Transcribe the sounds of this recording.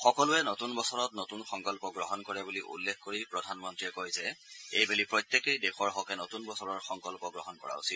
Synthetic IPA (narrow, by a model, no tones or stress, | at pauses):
xɔkɔlʊɛnotunbɔsɔɹɔt̚notunxɔŋkɔlpɔɡɹɔɦɔnkɔɹɛbuliʔṵlːekʰkoɹipɹɔdʱanmɔntɹiɛkojzɛejbelipɹɔjt̪ːekejdɛxɔɹɦɔkɛnotunbɔsɔɹɔɹxɔŋkɔlpɔɡɹɔɦɔnkɔ̰ɹa̰usil